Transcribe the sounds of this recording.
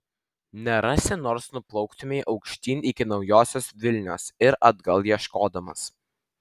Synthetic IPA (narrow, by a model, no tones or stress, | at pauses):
nʲɛɾɑsʲɪnoːɾsnʊplˠɔʊkt̪ʊmʲɛɪʔɒʊkʃʲt̪ʲiːnʲɪkʲɪnɒʊjoːsʲoːsʋʲɪlʲnʲo̰ːsɪɾʔɐd̪ɡɐlˠjiɛʃkoːd̪ɐmɐ̰s